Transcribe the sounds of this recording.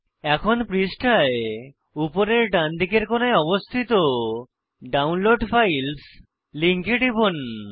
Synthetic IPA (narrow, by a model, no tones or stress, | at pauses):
ɛkʰonpɾisʈʰae | upoɾeɾɖand̪ʱikeɾkonajɔbost̪ʰit̪o | ɖawnloɖfajls | liŋkeɖibon